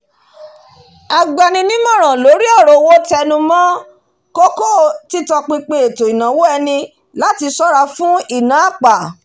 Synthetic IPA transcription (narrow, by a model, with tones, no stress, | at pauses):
a˨ɡ͡ba˨nĩ˧nĩ˦mɔ̃˦˨ɾ̃ã˨lo˨˦ɾi˦ɔ˦˨ɾo˨wo˦tɛ˧nũ˧mɔ̃˦ | ko˦ko˦ti˦tɔ˧k͡pĩ˧k͡pĩ˧e˨to˨i˨nã˨wo˦ɛ˧nĩ˧ | la˦ti˧sɔ˦ɾa˧fũ˦i˦˨nã˨˦a˦˨k͡pa˨